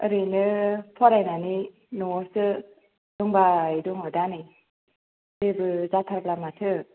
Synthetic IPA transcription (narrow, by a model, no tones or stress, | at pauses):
ɯɾinɯpʰɔɾajnani | nɔwɔsɯ | duŋbajduŋɦɔdani | ɾebɯzat̪ʰaɾblamatʰɯ